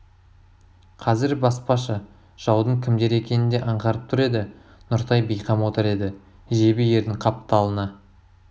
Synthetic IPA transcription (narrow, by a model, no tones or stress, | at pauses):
qʰɑzɪɾbɑspɑʃə | ʒ̥ɑwd̪əɴkʲʰɪmd̪e̞ɾe̞kʲe̞nɪnd̪e̞ʔɑɴʁɑɾəp̚t̪ʰʊɾe̞d̪ɪ | nʊɾt̪ɑjbejqɑmwo̞t̪əɾe̞d̪ɪ | ʒe̞bɪje̞ɾd̪ɪŋqʰɑp̚t̪ɑlˠənɑ